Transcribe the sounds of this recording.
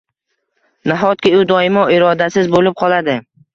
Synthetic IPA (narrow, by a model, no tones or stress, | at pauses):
naɦɒt̪̚kʲɪʊd̪ɒɪmɒɪɾɒd̪asɪzbolɪp̚qʰɒlˠad̪ɪ